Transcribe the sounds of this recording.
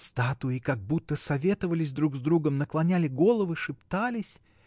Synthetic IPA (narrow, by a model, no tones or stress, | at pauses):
st̪at̪ʊikaɡ̚but̪ːəsɐvʲe̞t̪əvəlʲɪsʲd̪ɾuɡzd̪ɾuɡəmnəklˠɐnʲælʲɪɡo̞lˠəvɨʂɨpt̪alʲɪsʲ